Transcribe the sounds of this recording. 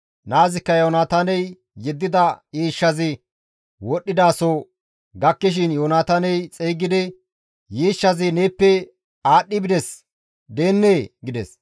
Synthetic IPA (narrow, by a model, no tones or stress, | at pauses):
naːzɪkːɐjoːnaːt̪ɐnɛj | jɛd̪ːɪd̪ɐjiːʃːɐzɪ | wɔɗːɪd̪aːso | ɡɐkːɪʃ̬ɪnjoːnaːt̪ɐnɛjt͡sʼeːɡɪd̪ɛ | jiːʃːɐzɪneːpːɛ | aːɗːɪbɪd̪ɛs | d̪e̞ːnːeːɡɪd̪ɛ̰s